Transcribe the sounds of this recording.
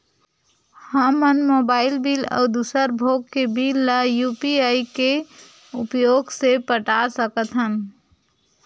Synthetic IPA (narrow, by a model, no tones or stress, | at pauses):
həmːənmoːbaːɪlbiːlɔ̰ːd̪usəɾbʱoːɡkebilːajuːpiaːike | ʊ̰pjoːɡsepəʈasəkət̪ɦəm